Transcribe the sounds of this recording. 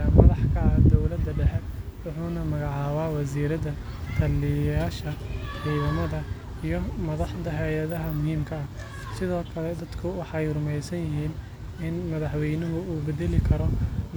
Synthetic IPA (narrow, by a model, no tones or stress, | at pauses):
ɐmɐ̰ðɑħkʰɐɐd̪ɔwlɐd̪ːɐɖɛħɛwʊħuːnɐmɐɣɑʕɑːwaːwɐsiːɾɐðɐ | t̪ʰɐlːɪjaːʃɐʕiːðɐmɐðɐ | ijɞmɐðɑħd̪ɐɦɛjɐðɐɦɐmʊhiːmkʰɐɐ | sɪðɔːkʰɐlɛd̪ɐd̪̥kʰʊwɑħɑɛjrʊmɛjsɐnjɪɦiːn | ɪnmɐðɑħwɛjnɐɦʊuːbɛðɛlɪkʰɐɾɔ